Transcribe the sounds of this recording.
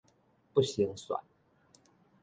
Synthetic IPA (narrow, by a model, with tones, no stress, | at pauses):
pu˥˩ɕi˧˦ŋswa̰˨˩˦n